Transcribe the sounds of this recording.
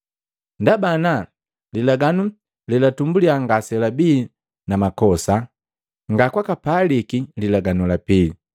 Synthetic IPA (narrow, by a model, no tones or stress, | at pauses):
ndabana | lilaɡanu | lilatumbuliaŋɡasɛlabiː | namakɔsa | ŋɡakwakapalikililaɡanulapili